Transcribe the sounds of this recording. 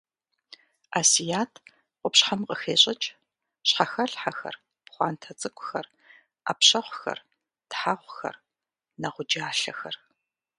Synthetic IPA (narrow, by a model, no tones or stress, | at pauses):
aːsijaːtʰ | qʷʊpɕħamqəxeːɕʼɐt͡ʃʼ | ɕħaxɐɬħaxɐ̰r | pχʷɑ̰ːntʰɐt͡sʼɨkʷʼʊxɐr | a̰ːpɕɐχʷxɐ̰r | d̥ħaχʷʊxɐ̰r | nɐʁʷʊd͡ʒaːɬɐxɐr